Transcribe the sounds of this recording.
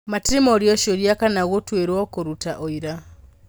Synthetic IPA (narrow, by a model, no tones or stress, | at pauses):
matiɾimɔɾjɔʃoɾjakanaɣotweɾwɔkoɾutaʔoiɾa